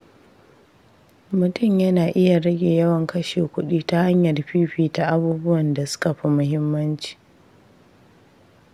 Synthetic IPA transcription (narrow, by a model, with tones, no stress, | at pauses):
mʊ˨tʊ˦˨mjɐ˦naː˨ʔɪ˦ja˨ɽɐ˦ɡʲeː˨jɐ˦wɐ˨ŋkɐ˦ʃeː˨kʷʊ˦ɗiː˦ta˦ha˦ɲjɐ˨rɸiː˦ɸiː˦ta˨ʔa˦buː˦bʊ˦wɐ˨nda˨sʊ̥˦ka˨ɸi˦mʊ˦ɦɪ˦mːɐ˦nt͡ʃi̥ː˨